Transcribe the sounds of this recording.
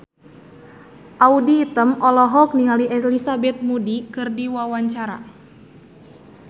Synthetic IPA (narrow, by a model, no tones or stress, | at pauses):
ʔaudiːt̪əmɔlɔɦɔk̚niŋaliʔɛlisabɛt̪̚mudikɨrdiwawaɲt͡ʃaɾa̰